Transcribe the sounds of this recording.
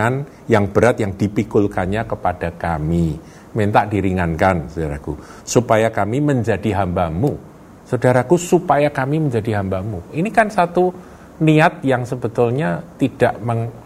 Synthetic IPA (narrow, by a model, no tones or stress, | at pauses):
an | jaŋb̥əɾat̪jaŋd̥ipikulkanɲakəpad̥akami | ment̪aʔd̥iɾiŋankansadaɾa̰kṵ | supajakamiməɲd͡ʒadiɦambamu | sadaɾakusupajakamiməɲd͡ʒadiɦambamuinikansat̪u | niat̪̚jaŋsəbət̪ʊlɲat̪id̥aʔməŋ